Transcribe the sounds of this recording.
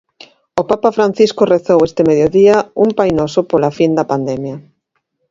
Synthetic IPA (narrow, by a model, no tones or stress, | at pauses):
opapafɾan̟θiskoreθowest̪ɪmeðjoðiaumpajnosopolafind̪ɐpand̪ɛmja